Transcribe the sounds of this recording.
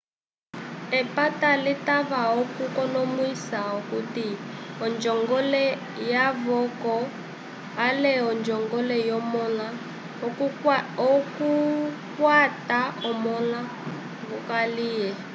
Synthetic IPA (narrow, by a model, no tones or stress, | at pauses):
ɛpatalitaβaɔkukɔnɔmwisaukutiɔnd͡ʒɔŋɡɔlɛ | jaβɔkɔ | alɛɔnd͡ʒɔŋɡɔlɛjɔmɔla | ɔku | kwataɔmɔla | βukaliːjɛ